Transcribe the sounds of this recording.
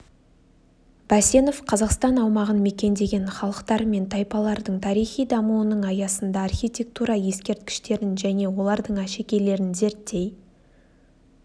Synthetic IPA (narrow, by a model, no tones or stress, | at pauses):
b̥æse̞no̞fqʰɑzɑqst̪ɑnɑwmɑʁənme̞kʲe̞nd̪e̞ɡʲe̞nχɑlˠəqt̪ɑɾme̞nt̪ʰɑjpɑlˠɑɾd̪əɴt̪ʰɑɾijχijd̪ɑmuwənəɴɑjɑsənd̪ɑːrxʲijt̪ʲe̞k̚t̪uɾɑje̞skʲe̞ɾt̪̚kʲɪ̥ʃt̪e̞ɾɪnʒæne̞wo̞lˠɑɾd̪əɴæʃe̞kʲe̞le̞ɾɪnze̞ɾt̪ːe̞j